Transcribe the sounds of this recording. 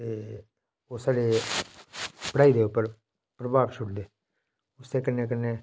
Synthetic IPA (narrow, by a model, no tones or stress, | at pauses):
t̪eː | ʊsaːɽeː | pəɽaːiːd̪eːʊpːəɾ | pɾəbaːbʃʰʊɽd̪eː | ʊseːkənːeːkənːeː